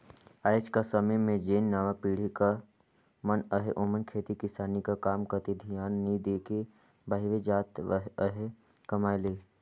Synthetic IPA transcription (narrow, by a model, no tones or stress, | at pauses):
aːt͡ʃkasəməmẽd͡ʒeːnːaːʋapiːɽ̤ika | mənəɦeʔoːmənkʰeːt̪ikɪsaːnikakaːmkɐt̪id̪ʱijaːnːid̪eːke | baːɦɪʋed͡ʒaːt̪ʋəɦəɦe | kɐmaːjleː